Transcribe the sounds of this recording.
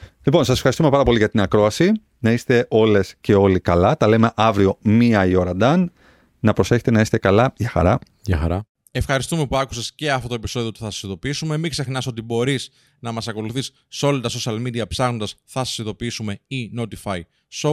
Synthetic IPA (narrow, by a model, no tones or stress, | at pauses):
lipo̞nsɐse̥fxɐɾist̪umepɐɾɐpo̞liʝɐt̪inɐkɾo̞ɐsi | nɐist̪e̞ʔo̞le̞sce̞o̞likɐlɐt̪ɐle̞me̞ʔɐvɾio̞miɐio̞ɾɐd̪ɐnː | ɐpɾo̞se̞çe̥t̪e̞nɐiset̪ekɐlɐʝɐxɐ̰ɾɐ | jɐxɐɾɐ | e̞fxɐɾist̪ume̞puɐku̥sesceɐft̪o̞t̪o̞e̞pi̥so̞ðiot̪i̥θɐsɐ̥siðo̞piisume̞mikse̞xnɐso̞t̪̬ibo̞ɾis | nɐmɐsɐko̞luθisːeo̞lɐt̪ɐso̞siɐlmid̪iɐpsɐɣno̞nd̪ɐsθɐsɐ̥siðo̞piisume̞ino̞t̪ifɐj | so